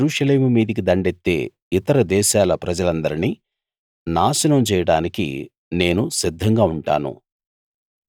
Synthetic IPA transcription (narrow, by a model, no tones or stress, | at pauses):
ɾuːʂɐle̞ːmumiːd̪ɐk̬id̪ɐɳɖet̪ːe̞̰ː | it̪ɐɾɐd̪ɛːʃaːlɐpɾɐd͡ʒɐlɐnd̪ɐɾini | naːʃɐnɐmt͡ʃɛːjɐɽaːnikḭ | ne̞ːnusid̪ʱːɐŋɡaːuɳʈaːnṵ